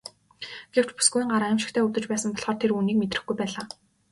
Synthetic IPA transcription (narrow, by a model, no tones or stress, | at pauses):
ɡ̥ew̥t͡ɕpu̥sɡujiŋɢaɾaɪmʃɪ̥̆kt̪ʰeːut̪ɘ̆t͡ɕpæːsə̆mpɔɮχɔːrt̪ʰeruːniːk̚met̪rɘ̆xɡujpæːɮaː